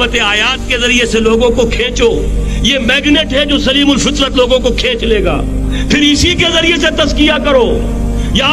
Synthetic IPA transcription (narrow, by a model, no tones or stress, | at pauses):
ət̪eaːjaːt̪̚kezɐɾieseloːɡõkokʰẽːt͡ʃoː | jeːmɛːɡneːʈɦɛd͡ʒoːsɐliːmʊlfɪt̪ɾət̪loːɡõkokʰẽːt͡ʃleːɡa̰ː | pʰɪɾɪsikezɐɾieset̪ɐzkɪjakɐɾoː | ja